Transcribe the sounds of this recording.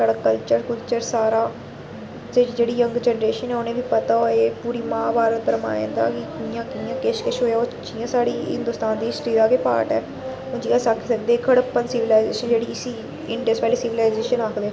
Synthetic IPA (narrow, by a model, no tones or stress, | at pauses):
saːɽaːkəlt͡ʃəɾkəlt͡ʃəɾsaːɾaː | sɪd͡ʒd͡ʒeːɽiːjəŋɡd͡ʒɛːnɾeːʃənɛːʊnẽːʋiːpət̪aːɦoːeːpuːɾiːmãːbaːɾət̪̚b̪əɾma̰ːḛ̃ːnd̪a̰ːkɪkɪjãːkɪjãːkɪʃkɪʃɦoːjaːʊt͡ʃʰijãːsaːɽiːɦɪ̰̃nd̪ʊːst̪aːnd̪iːɪsʈɾiːd̪aːkepa̰ːʈɛ̰ː | ʊnd͡ʒiːãːsaːkʰːsəkd̪eːkʰəɽəpənsɪʋɪlaːɪzeːʃənd͡ʒeːɽiːɪsiː | ɪɳɖəspɛːleːsɪʋɪlaːɪzeːʃənaːkʰd̪eː